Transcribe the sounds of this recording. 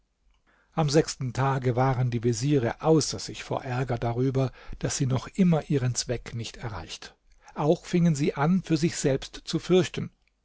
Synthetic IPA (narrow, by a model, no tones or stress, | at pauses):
ʔamzɛkstn̩tʰaːɡəvaːʁəndiːveziːʁəʔaʊsɐz̥ɪçfo̰ːɐʔɛɐɡɐdaʁyːbɐd̥asz̥iːnɔχʔɪmɐʔiːʁənt͡sv̥ɛknɪçtɛɐʁa̰ɪçtə | ʔaʊxfɪŋənziːʔanfyːɐzɪçz̥ɛlpstt͡sufʏɐçtn̩